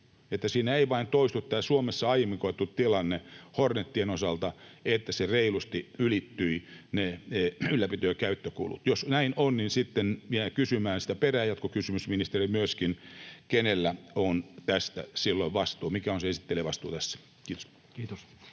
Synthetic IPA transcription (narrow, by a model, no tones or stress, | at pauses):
et̪ːæsiːnæeiʋɑint̪oist̪ut̪t̪ːæːsuomesːɑɑiemːikoit̪ːutt̪ilɑnːehornet̪ːienosɑlt̪ɑet̪ːæsereilust̪iylit̪ːyineneylːæpit̪øːkæyt̪ːøkṵːlṵt̪josnæinonninsit̪ːenʋiækysymæːnsi̥t̪æperæːjɑt̪kokysymysminist̪erimyøskinkenelːæont̪æst̪æ̰silːoiʋʋɑst̪uːmikæonseesi̥t̪ːelieʋɑst̪uːt̪æsːæ̥ | kiːt̪o̥s | kiːt̪os